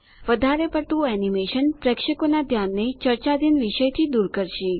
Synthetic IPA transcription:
ʋəd̪ʱaɾepəɾt̪ũɛnimeʃənpɾəkʂəkonad̪ʱjanːet͡ʃəɾt͡ʃad̪inʋiʃəjt̪ʰid̪uɾkəɾʃi

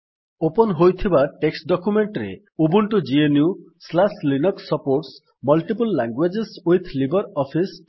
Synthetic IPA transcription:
opɔnɔɦojt̪ʰibaʈeksʈɖɔkumeɳʈɾḛ | ubuɳʈud͡ʒienju | slaslinɔksɔpoɾʈs | mɔlʈipulːaŋɡwed͡ʒesujt̪ʰlibɔɾɔpʰis

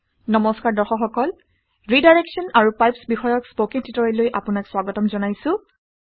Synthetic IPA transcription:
nɔmɔskaɹdɔxɔxɔkɔl | ɹidajɹɛksɔnaɹupajpsbixɔjɔkspokititɔɹɛlojʔapʊnakswaɡɔtɔmzɔnajsʊ̃

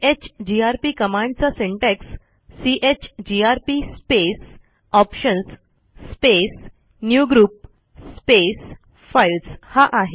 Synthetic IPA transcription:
et͡ɕd͡ʑiaɾpikəmãɳɖt͡sasẽɳʈeksː | iʔet͡ɕd͡ʑiaɾpispes | ɔpɕənsː | pes | njuɡɾuːp̚ | spes | fajlshaʔaɦe

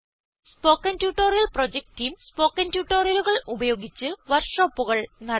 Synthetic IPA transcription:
spo̞ːkːɐntjuːʈːoːɾijɐlprod͡ʑek̚ʈimspo̞ːkːɐntjuːʈːoːrijɐluɣɐɭubɐjo̞ːɡit͡ɕːɨʋɐrkʂoːpːuɣɐɭnɐ

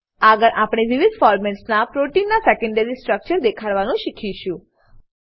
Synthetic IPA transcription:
aɡəɭʔapɽ̃eʋiʋid̪fɔɾmeɳʈsnapɾoʈinːasekə̃ɳɖəɾisʈɾək̚t͡ʃəɾd̪ekʰaɽʋanũʃikʰiʃũ

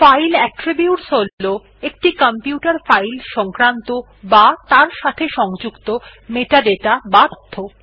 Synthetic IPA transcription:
fajlɛkʈɾibiuʈsolːo | ekʈikampiuʈaɾfajlʃɔŋkɾant̪o | bat̪aɾʃat̪ʰeʃɔŋd͡ʑukt̪o | meʈaɖeʈabat̪ʰːo

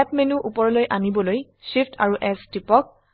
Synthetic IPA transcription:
ɛpmenuʔupɔɹɔlojʔanibɔloj | ʃipʰtʰa̰ɹuʔɛstipɔk̚

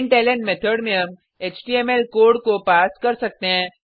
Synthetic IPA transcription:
ɳʈɛːlẽɳʈmeːt̪ʰəɖmẽɦɐm | eːt͡ʃʈiːɛmɛlkoːɾɖkopaːskɐɾsɐk̚t̪eɦɛ̃ː

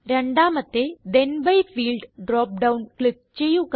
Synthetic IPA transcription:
ɾjəɳɖaməd̪ʱːed̪enbəifiːlɖɖɾɔp̚ɖaunklip̚t͡ɕejuk

